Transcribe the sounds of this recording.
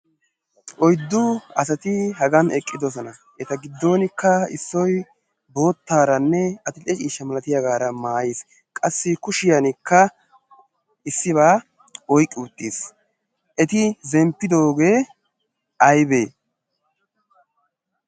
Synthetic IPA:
ʔɔjd̪ːʊɐsɐt̪ɪɦɐɡɐnɛkʼːɪd̪ɔs̬ɔnɐ | ɛt̪ɐɡɪd̪ːo̞ːnɪkːɐɪ̰sːɔj | bo̞ːt̪ːaːɾɐnːɛɐt̪ɪlɛt͡ʃʼiːʃːɐmɐlɐt̪ɪjɐɡaːɾɐmaːjeːs | kʼɐsːɪkʊʃɪjɐnɪkːɐ | ɪsːɪβaː | ɔjkʼːɪːt̪ʼːis | ʔɛt̪ɪzɛmpːɪd̪o̞ːɡe̞ː | ʔɐjbeː

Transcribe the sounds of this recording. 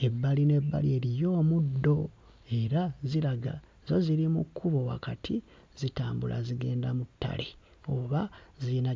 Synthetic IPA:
e̞bːaline̞bːa̰lie̞ɾijo̞ːmudːo̞ | e̞ɾaziɾaɡa̰ | zoziɾimukʰːuβo̞wa̰katʰi | zitaːmbula̰ziɡe̞ːndamutːa̰le | o̞βazina

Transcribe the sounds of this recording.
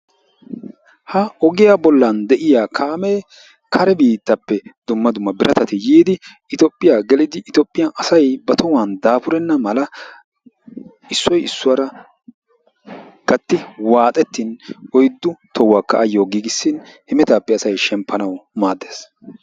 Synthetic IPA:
hɐɔɡɪjabɔlːɐnd̪ɛʔɪjaːkʰaːmeː | kʰɐɾɛbiːt̪ːɐpːɛd̪ʊmːɐd̪ʊmːɐbɪɾʔɐt̪ɐt̪ɪjiːd̪ɪ | ɪt̪ɔpʼːɪjaɡɛlɪd̪ɪʔːt̪ɔpʼːɪjaʔɐsɐjbɐt̪ʰɔwaːnd̪aːpʊɾɛnːɐmɐlɐ | ɪsːɔjɪsːʊwaɾɐ | ɡ̥ɐt̪ːɪwaːt̪ʼɛt̪ːinɔjd̪ːʊt̪ʰɔwːaːkːɐ̰ʔːjːoːɡiːɡɪsːɪnhɛmɛt̪aːpːɛɐsɐjʃɛmpʰːɐnɐwmaːd̪ːeːs

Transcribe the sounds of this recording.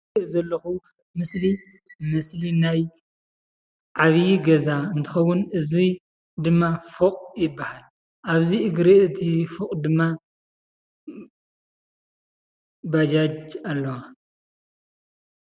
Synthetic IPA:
ʔzɐlːɐxu | mɨsli | mɨslinaj | ʕaβjiɡɐzaɨnt̪ʰɨ̥xɐwːʊnɨzi | d̪ɨmːafoqʼjɪbːahal | ʔaβziɨɡɾiɨt̪ʰifoqʼd̪ɨmːa | bad͡ʒad͡ʒalːɐwa

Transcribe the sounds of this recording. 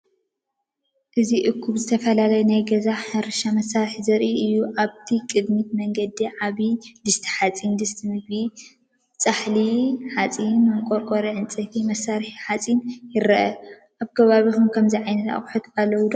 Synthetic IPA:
ʔɨziʔɨkʰːuβzɨt̪ʰɐfɐlalaɐjɛnajɡɐzaħɐɾɨʃamɐsaɾħizɐɾʔiʔɨjːuʔaβt̪ʰikʼɨd̪mit̪̚mɐŋɡɐd̪iʕaβid̪ɨst̪ʰi̥ħat͡sʼind̪ɨst̪ʰɨmɨɡbi | t͡sʼaħliħat͡sʼinɐŋkʼoɾkʼoɾiʕɨnt͡sʼɨfimɐsːaɾħiħat͡sʼinjɪɾɐʔɐ | ʔaβkʰɐβaβixomkʰɐmziʕajnɐt̪a̰χʼħut̪alːɐwud̪o

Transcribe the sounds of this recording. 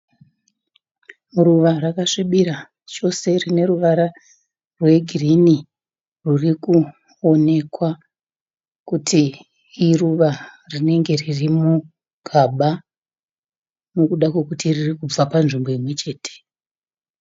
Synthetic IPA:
ruʋarakaʂiɓiɾa | t͡ʃo̞se̞rine̞ɾuʋaɾa | rwe̞ɡʱirini | ruriku | o̞ne̞kwa | kutʰiː | ruʋa | rine̞ŋɡe̞ririmu | ɡ̥ʱaɓa | no̞kuɗakwe̞kutiririkub͡vapanʐimbo̞imwe̞t͡ʃe̞ːtʰe̥

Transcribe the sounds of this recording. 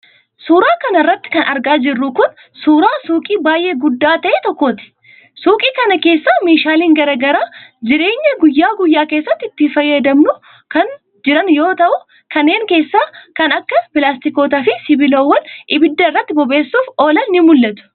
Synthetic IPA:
suːɾaːkɐnɐɪrːɐt̪ːɪ̥kɐnɐɾɡaːd͡ʒɪrːʊkʊn | suːɾaːsuːkʼiːbaːjʔeːɡʊd̪ːaːt̪ɐʔet̪ɔkːoːt̪ɪ̥ | suːkʼiːkɐnɐke̞ːsːaːmeːʃaːliːŋɡɐɾɐɡɐɾaːd͡ʒɪɾe̞ːɲːɐɡʊjːaːɡʊjːaːkeːsːɐt̪ːɪɪt̪ːɪfɐjːɐd̪ɐmnʊ | kɐn | d͡ʒɪɾɐnjoːt̪ɐʔʊ | kɐnːe̞ːŋke̞ːsːaːkɐnɐkːɐpɪlaːst̪ɪkoːt̪afɪsɪbɪloːwːɐnʔɪbɪd̪ːɐɪrːɐt̪ːɪbɔbe̞ːsːuːfo̞ːlɐnːɪmʊlːɐt̪ʊ̥

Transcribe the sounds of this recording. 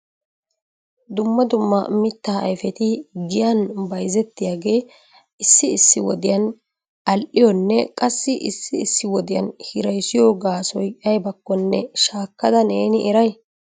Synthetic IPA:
d̪ʊmːɐd̪ʊmːɐ̰mɪt̪ːaːɐ̰jfɛt̪ɪɡɪjɐnbɐjzɛt̪ːɪjaːɡe̞ː | ɪsːɪːsːɪwɔd̪ɪjɐn | ɐlʔɪjɔnːɛkʼɐsːɪʔɪ̰sːɪːsːɪwɔd̪ɪjɐ̰nhɪɾɐjsɪjoːɡaːsɔjɐjbɐkːɔnːɛʃaːkːɐd̪ɐneːnɪʔɛɾɐj

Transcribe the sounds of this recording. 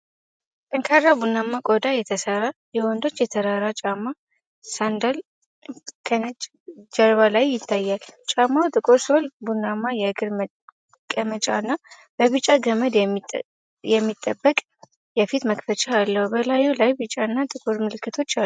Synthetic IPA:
kʼɨŋkʰaɾabunːamːakʼod̪ajɛt̪ʰəsəɾajɛwɔnd̪o̞t͡ʃːjɛt̪ʰəɾaɾat͡ʃʼamːa | sand̪al | kʰənt͡ʃʼ | d͡ʒəɾβalajːɪt̪ʰːajːalt͡ʃʼamːawt̪ʼɨkʼoɾso̞lbunːamːajɛɡɨɾm | kʼəmət͡ʃʼanːa | b̥əβɨt͡ʃʼaɡəməd̪ | jɛmːit̪ʼːəbːəkʼ | jɛfit̪məkfət͡ʃʼaːlːəhubəlajulajbɨt͡ʃʼaɨnːat̪ʼɨkʼoɾmɨlɨkːɨt̪ʰo̞t͡ʃːa

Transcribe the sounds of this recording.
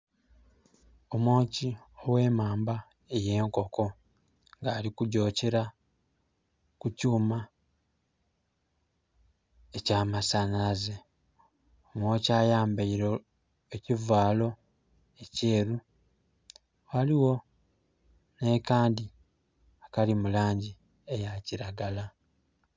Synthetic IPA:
o̞moːci | o̞we̞ːmaːmba | e̞je̞ːŋko̞ko̞ | ŋɡaːlikuɟo̞ːceɾa | kucuːma | ecaːmasanaze | omwoːcaːjaːmbaiɾo | ecivaːlo̞ | ece̞ːɾu | waliwo̞ | nekaːndi | akalimulaːɲɟi | e̞jaciɾaɡala

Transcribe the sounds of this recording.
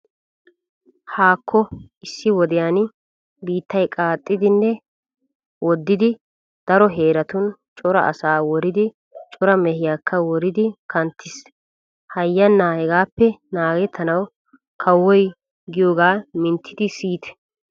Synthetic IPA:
haːkːɔɪsːɪwɔd̪ɪjaːn | biːt̪ːɐjkʼaːt̪ʼːɪd̪ɪnːɛ | wʔɔd̪ːɪd̪ɪ | d̪̥ɐɾɔɦe̞ːɾɐt̪ʊnt͡ʃʼɔɾɐ̰ʔɐ̰saːwɔɾɪd̪ɪ | t͡ʃʼɔɾɐmɛhɪjaːkːɐwɔɾɪd̪ɪkɐnt̪ːɪs | hɐjːɐnːaːhɛɡaːpːɛnaːɡɛt̪ʰːɐnɐw | kʰɐwːɔj | ɡɪjoːɡaːmɪnt̪ʰːɪd̪ɪsiːt̪ɛ̥

